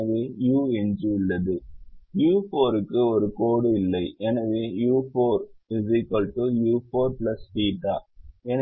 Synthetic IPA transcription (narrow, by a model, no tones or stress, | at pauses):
ɐʋejuːɛnd͡ʒɯɪlːɐðɯjuːfoːɾɯkːɯɔɾɯkoːɽɯɪlːɐɪɛnɐʋejuːfoːɾɖɪzɪkːɐlʈujuːfoːɾplɐsfiːʈːa̰ːɛnɐ